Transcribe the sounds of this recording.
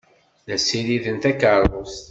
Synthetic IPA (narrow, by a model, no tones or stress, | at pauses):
ðæsiɾiðənt̪ækəɾˤos